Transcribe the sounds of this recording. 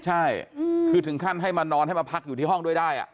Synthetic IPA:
t͡ɕʰa˥˩jkʰɯː˧t̪ʰɯ˩˦ŋkʰa˥˩nɦa˥˩jmaː˧nɔː˧nɦa˥˩jmaː˧pʰa˦˥k̚juː˨˩t̪iː˥˩ɔ˥˩ŋdu˥˩əjdaː˥˩jʔa̰˨˩ʔ

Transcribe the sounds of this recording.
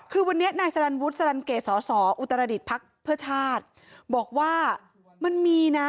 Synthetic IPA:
kʰɯː˧wa˧nːi˦˥ɐnaː˧jsa˧ɾa˧nwu˦˥t̪̚sa˧ɾa˧nkeː˨˩sɔː˩˦sɔː˩˦ʔu˨˩t̪ːa˧ɾa˧di˨˩t̪̚pʰa˦˥k̚pʰɯ˥˩ɐt͡ɕʰaː˥˩t̪̚ | bɔː˨˩k̚waː˥˩ | ma˧nmiː˧na˦˥

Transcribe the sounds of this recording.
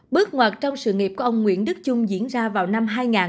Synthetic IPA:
ɓɨ˦˥ək̚ŋwa˨˩t̚t͡ɕɔ˧wŋ͡msɨ̰˧˨ŋi˨˩pku˧˩˦ʔə˧wŋ͡mŋwḭ˧˥ənɗɨ˦˥k̚t͡ɕʊ˧ŋ͡mzḭ˧˥ənzaː˧vaː˨˩wna˧mɦaː˧jŋaː˨˩n

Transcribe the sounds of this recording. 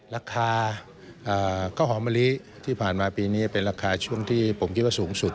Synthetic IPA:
ɾaː˧kʰaː˧ | ʔaː˨˩kʰaː˥˩wɦɔː˩˦ma˧li˦˥ | t̪ʰiː˥˩pʰaː˨˩nmaː˧piː˧niː˦˥pe˧nɾaː˧kʰaː˧t͡ɕʰu˥˩əŋt̪ʰiː˥˩pʰo˩˦mkʰt̪̚waː˥˩suː˩˦ŋsu˨˩t̪̚

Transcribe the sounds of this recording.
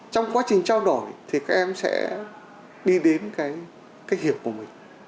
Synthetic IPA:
t͡ɕɔ˧wŋ͡mkwaː˨˦t͡ɕï˨˩ŋ̟t͡ɕaː˧wɗo˧˩jt̪ʰi˨˩kaː˦˥k̚ʔɛ˧msɛ̰˧˥ | ɗi˧ɗe˨˦nkaː˨˦j | kaː˨˦jhi˨˩əw̚ku˧˩əmï˨˩ŋ̟

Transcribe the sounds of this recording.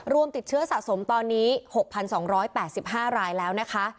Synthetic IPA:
ɾu˧əmt̪i˨˩t̪̚t͡ɕʰɯ˦˥ɐsa˨˩ʔso˩˦mt̪ɔː˧nːiː˦˥ho˨˩k̚pʰa˧nsɔː˩˦ŋɾɔː˦˥jpɛː˨˩t̪̚si˨˩p̚ɦaː˥˩ɾaː˧jlɛː˦˥wna˦˥kʰa˦˥ʔ

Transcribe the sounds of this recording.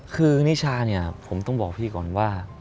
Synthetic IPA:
kʰɯː˧niː˦˥˩t͡ɕʰaː˧ni˥˩ɐpʰo˩˦mt̪ɔ˥˩ŋbɔː˨˩k̚pʰiː˥˩kɔː˨˩nwaː˥˩

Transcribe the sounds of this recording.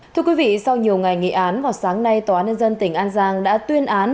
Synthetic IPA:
t̪ʰɨ˧əkwi˨˦vḭ˧˨sa˧wɲi˨˩əwŋa˨˩jŋḭ˧˨ʔaː˨˦nvaː˨˩saː˨˦ŋna˧jt̪aː˨˦nɲə˧nzə˧nt̪ï˧˩ŋ̟ʔaː˧nzaː˧ŋɗa̰ː˧˥t̪wi˧ənʔaː˨˦n

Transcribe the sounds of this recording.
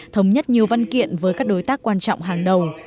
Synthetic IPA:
t̪ʰə˨˦wŋ͡mɲə˦˥t̚ɲi˨˩əwva˧nkḭ˧˨ənvəː˨˦jkaː˦˥k̚ɗo˨˦jt̪aː˦˥kːwaː˧nt͡ɕɔ̰˧˨wŋ͡mɦaː˨˩ŋɗə˨˩w

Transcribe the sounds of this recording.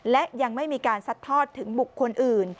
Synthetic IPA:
lɛ˦˥ʔja˧ŋma˥˩jmiː˧kaː˧nsa˨˦˩t̪ʰːɔː˥˩t̪ʰːɯ˩˦ŋbu˨˩kʰːo˧nʔɯː˨˩n

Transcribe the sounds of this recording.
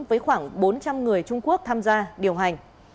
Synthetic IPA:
vəː˨˦jxwaː˧˩ŋɓo˨˦nt͡ɕa˧mŋɨ˨˩əjt͡ɕʊ˧ŋ͡mku˦˥ək̚t̪ʰaː˧mzaː˧ɗi˨˩əwɦa˨˩jŋ̟

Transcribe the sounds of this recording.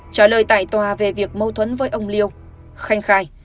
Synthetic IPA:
t͡ɕaː˧˩ləː˨˩jt̪a̰ː˧˨jt̪waː˨˩ve˨˩vi˨˩ək̚mə˧wt̪ʰwə˨˦nvəː˨˦jʔə˧wŋ͡mli˧əw | xa˧jŋ̟xaː˧˩j

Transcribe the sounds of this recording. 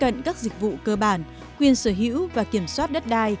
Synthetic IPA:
ə̰˧˨nkaː˦˥k̚zï˨˩k̚vṵ˧˨kəː˧ɓaː˧˩n | kwi˧ənsəː˧˩ɦḭ˧˥əwvaː˨˩ki˧˩əmswaː˦˥t̚ɗə˦˥t̚ɗaː˧j

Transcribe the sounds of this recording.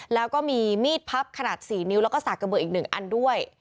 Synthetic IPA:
lɛː˦˥wkɔː˥˩miː˧miː˥˩t̪̚pʰa˦˥p̚kʰa˧naː˨˩t̪̚siː˩˦ni˦˥wlɛː˦˥wkɔː˥˩saː˨˩ka˧bɤː˧˩ʔiː˨˩k̚nɯ˨˩ŋʔa̰˧ndu˥˩əj

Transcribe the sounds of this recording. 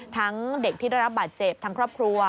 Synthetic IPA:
t̪ʰa˦˥ŋde˨˩k̚t̪ʰiː˥˩da˥˩jɾa˦˥p̚baː˨˩t̪̚t͡ɕe˨˩p̚t̪ʰa˦˥ŋkʰɾɔː˥˩p̚kʰɾu˧ɐ

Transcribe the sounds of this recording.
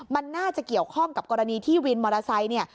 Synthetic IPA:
ma˧nːaː˥˩t͡ɕa˨˩ki˨˩əwkʰɔ˥˩ŋka˨˩p̚kɔː˧ɾa˧niː˧t̪ʰiː˥˩wi˧nmɔː˧ɾa˧sa˧jni˥˩ɐ

